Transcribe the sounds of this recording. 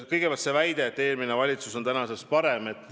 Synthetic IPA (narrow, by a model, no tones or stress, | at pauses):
kɤjɡepʲɑltt̪se̞væjd̪̥e̞ːt̪ːˑe̞ːlminevɑlʲit̪suso̞nt̪ænɑse̞spɑɾe̞me̞t̪ːˑ